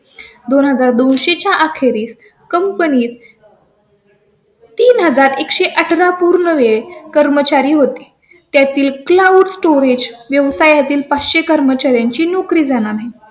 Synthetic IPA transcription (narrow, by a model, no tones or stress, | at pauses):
d̪onɦəd͡zaɾd̪onɕet͡ɕjaʔakʰeɾiːs | kəmpəniːt̪ | t̪ːiːnɦəd͡zaɾekɕeʔəʈʰɾapuɾnəʋekəɾmət͡ɕaɾiːɦot̪i̥ː | t̪jat̪iːlklauɖsʈoɾed͡ʑʋjəʋsajat̪iːlpat͡sɕekəɾmət͡ɕaɾjaɲt͡ɕiːnokɾiːd͡zanaɾɦe